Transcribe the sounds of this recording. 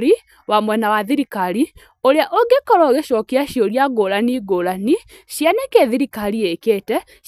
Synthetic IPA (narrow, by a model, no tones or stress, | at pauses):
ɾi | wamwɛnawaðiɾikaɾi | oɾeaʔoɡekɔɾɔɣeʃɔkiaʃjoɾjaɡoːɾaniɡoɾani | ʃjanekeðiɾikaɾiekeːtɛ